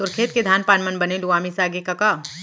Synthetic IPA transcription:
sʊɾkʰeːt̪̚ked̪ʱaːnpaːnmənbɐneluaːmisaːɡekɐkaː

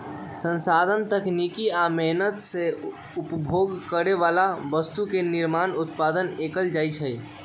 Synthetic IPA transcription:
sə̃nsad̪ʱənt̪əknikiamɛɦnət̪se | upbʱoɡkəɾeʋalabəst̪ukeniɾmanut̪pad̪ənekəld͡ʒajt͡ʃʰəj

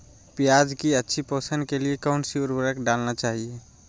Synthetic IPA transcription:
pjaːd͡ʒkiətːʃʰipoːsənkeliekəʊnsiʊɾbəɾəkɖaːlnat͡ʃaːɦie

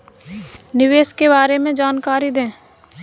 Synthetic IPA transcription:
nɪʋeːskebaːɾemẽd͡ʒaːnkaːɾid̪ẽː

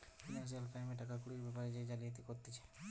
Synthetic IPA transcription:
finas̬ijalpɾajmeʈakakuɽiɾbɛpaɾed͡ʒed͡ʒalit̪ikoɾt̪et͡ʃʰe̥

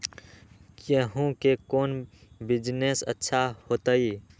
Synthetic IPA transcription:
kjəɦũkekoːnbɪd͡ʒnesə̰tːʃʰahoːt̪əiː

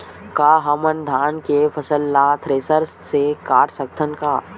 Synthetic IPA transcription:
kaːɦɐmənd̪ʱaːnkefʰəsəlːat̪ʰɾeːsəɾ | sekaːʈsək̚t̪ʰənkaː

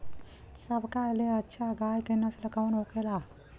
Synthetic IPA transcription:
səbʱkaleətːʃʰaɡaːjkənasləkawnɦokʰela

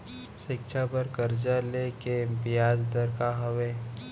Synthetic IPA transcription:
ʃɪkʃʰapəɾkəɾd͡ʒalekepɪjaːd͡ʒd̪əɾkaɦəʋeː

